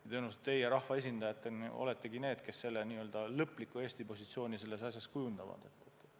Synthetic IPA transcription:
t̪eːnus̬et̪t̪e̞jeɾɑhvɑe̞sʲind̪̥ɑjɑt̪ːˑeno̰le̞t̪ːe̞ɡine̞ːd̪̥ke̞sːe̞lːeniːø̞ld̪̥ɑlɤpːlikːˑue̞ːsʲt̪ipo̞sʲit̪sio̞ːnʲise̞lːe̞sɑsʲjɑskujund̪ɑvɑ̰d̪̥e̞t̪ːˑet̪ːˑ

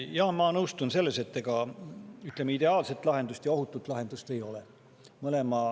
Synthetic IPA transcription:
jɑhmɑnɤwst̪unse̞lːe̞se̞t̪ːeɡ̥ɑyt̪lemːeid̪e̞ɑːlse̞t̪ːˑlɑɦe̞nd̪ust̪jɑo̞ɦut̪ːˑut̪ːˑlɑɦe̞nd̪̥ust̪e̞jo̞le | mɤle̞mɑ

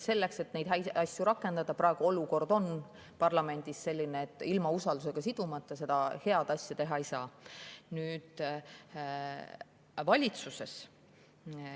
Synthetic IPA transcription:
se̞lːekse̞t̪ne̞jd̪ɦæjɑsʲjuɾɑkːe̞nd̪̥ɑd̪̥ɑprɑeɡ̥uo̞luko̞rd̪o̞n | pɑrlɑme̞nʲd̪̥isse̞lʲːineet̪ːˑilmɑusɑld̪us̬e̞ɡ̥ɑsid̪̥umɑt̪ːˑɑse̞d̪ɑhe̞ɑd̪ɑsʲjɑt̪e̞ɦɑejsɑːnyːd̪̥ | vɑlʲit̪suse̞s

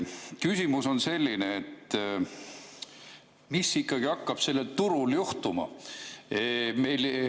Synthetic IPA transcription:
kysʲimuso̞nse̞lʲːineːt̪ːˑ | misikːˑɑɡ̥iɑkːɑb̥se̞lːe̞lt̪uɾuljuht̪umɑ̰eme̞jl

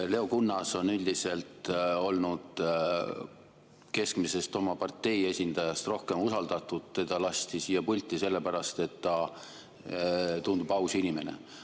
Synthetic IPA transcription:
le̞okunːɑso̞nylʲd̪ise̞lt̪o̞lnud̪̥ | ke̞skmise̞st̪o̞mɑpɑrt̪ːe̞je̞sʲind̪ɑjɑst̪ro̞hke̞musɑld̪̥ɑt̪ːˑud̪̥ːed̪ɑlɑst̪isiːjːɑpulʲt̪ːˑise̞lːe̞pæɾɑst̪e̞t̪ːɑ | t̪und̪̥ubɑwsinime̞nḛ

